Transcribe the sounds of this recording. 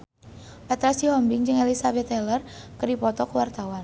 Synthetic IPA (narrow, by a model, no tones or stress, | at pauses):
ʔat̪ɾasihɔmbɪŋd͡ʒɨŋelisabɛt̪ːɛlərkədipɔt̪ɔkəwart̪awan